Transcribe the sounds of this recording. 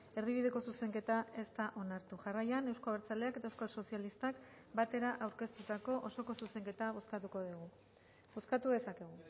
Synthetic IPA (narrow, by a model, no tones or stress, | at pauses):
e̞ɾðiβiðe̞ko̞suse̞ŋke̞t̪ae̞st̪aʔo̞naɾt̪uʝarajane̞wskaβeɾt͡sale̞aket̪aewskalso̞sialist̪ak | bat̪e̞ɾaʔawɾke̞st̪ut̪ako̞ʔoso̞ko̞suse̞ŋke̞t̪aβo̞skat̪uko̞ðiɣ̞u | bo̞skat̪uðe̞sake̞ɣ̞u